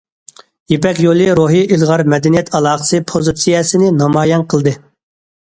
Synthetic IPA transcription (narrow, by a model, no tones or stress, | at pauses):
jepɛkʲjolˠɨɾoɦiilˠʁɑɾmɛd̪ɛnijɛt̪ʰɑlˠɑːχə̥sɨpʰozɨt̪sijɛsɨnɪnɑmɑːjɛnqʰəlˠd̪ɨ